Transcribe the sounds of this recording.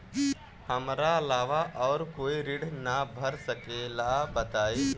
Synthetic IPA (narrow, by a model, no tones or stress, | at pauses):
hɐmɾaɐlaːʋaʔɔːɾkoːiɾɪɽnabʱɐɾsəkeːlabət̪aːiː